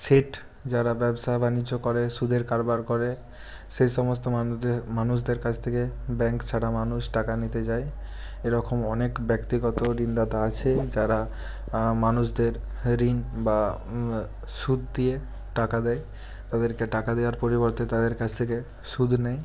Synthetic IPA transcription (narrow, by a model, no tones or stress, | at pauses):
seʈ | d͡ʑaɾabɛbʃaebʱanid͡ʑːokoɾeʃud̪ʱeɾkaɾbaɾkoɾe | ʃejʃɔmost̪omanuʃ̬d̪eɾkat͡ɕʰt̪ʰekebɛŋkt͡ɕʰaɽamanuʃʈakanit̪ed͡ʑae | eɾɔkʰomɔnekbɛkt̪iɡɔt̪oɾind̪at̪aat͡ɕʰed͡ʑaɾa | manuʃd̪eɾ | ɾinba | ʃud̪̚ʱd̪ie | ʈakad̪ɛj | t̪ad̪eɾkeʈakad̪eaɾpoɾiboɾt̪et̪ad̪eɾkat͡ɕʰt̪ʰeke | ʃud̪ʱnej